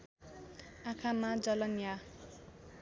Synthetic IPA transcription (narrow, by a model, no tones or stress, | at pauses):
akʰamad͡zʌlʌnja